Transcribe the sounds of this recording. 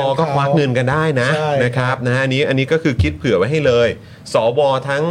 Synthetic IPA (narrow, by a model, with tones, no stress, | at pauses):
ɔː˧kɔː˥˩kʰwaː˦˥k̚ŋɤ˧nka˧ndaː˥˩jna˦˥na˦˥kʰɾa˦˥p̚na˦˥ʔa˧nːiː˦˥ʔa˧nːiː˦˥kɔː˥˩kʰɯː˧kʰi˦˥t̪̚pʰɯ˨˩˦pa˧jɦa˥˩jlɤː˧j | sɔː˩˦wɔː˧t̪ʰa˦˥ŋ